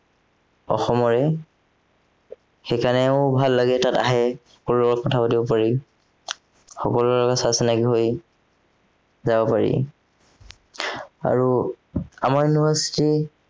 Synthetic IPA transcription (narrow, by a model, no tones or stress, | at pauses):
ɔ̰xɔmɔɹɛ | xekanɛʊbʱalːaɡɛtata̰ɦɛxɔkɔlɔkɔtʰapatibɔpaɹi | xɔkɔlulɔɡasasinakiɦoj | zabɔpaɹḭ | a̰ɹu | a̰maɹiniɦasi̥ti